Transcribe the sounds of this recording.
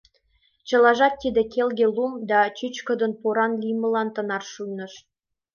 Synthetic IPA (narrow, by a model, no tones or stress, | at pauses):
t͡ɕɤ̆lɑʒɑt̪ːid̪ekelɡʲelumd̪ɑt͡ɕyt͡ɕkə̆d̪ə̆npoɾɑnlʲijmə̆lɑnt̪ə̆nɑrʃujnɤ̆ʃ